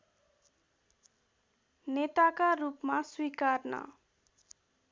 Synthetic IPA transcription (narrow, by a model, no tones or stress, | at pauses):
net̪akarupmaswikarnʌ̰